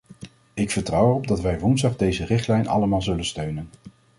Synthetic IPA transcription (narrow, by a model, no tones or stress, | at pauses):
ɪkfəɹtrɑwrɔb̚dɑtʋɛjʋunzdɑχdejzərɪχtlɛjnɑ̰ləmaːlˠzɵlənstøɥnən